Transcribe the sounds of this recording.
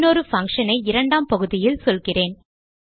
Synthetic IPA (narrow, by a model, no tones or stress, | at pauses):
noːɾɯfɐŋkʂɐnɐɪɪɾɐɳɖaːmpɐɣɯðɪjɪlsɔlɣɪreːn